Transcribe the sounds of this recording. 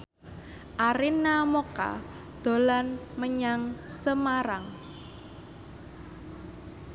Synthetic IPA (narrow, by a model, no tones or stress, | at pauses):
ʔaɾɪnːamoka̰ | d̪̥o̤lanməɲaŋsəmaɾaŋ